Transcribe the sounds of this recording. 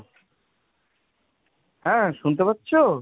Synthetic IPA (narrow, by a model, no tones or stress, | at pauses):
ɦɛ̃ʃunt̪̬epat̪ːɕʰo